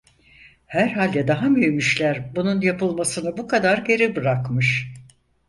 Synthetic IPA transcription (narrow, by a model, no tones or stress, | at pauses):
hæɾɦalʲd̪ɛd̪aɦamyjymyʃlʲæɾbununjapɯlˠmasɯnɯbukʰad̪aɾɟe̞ɾibɯɾakmɯʃ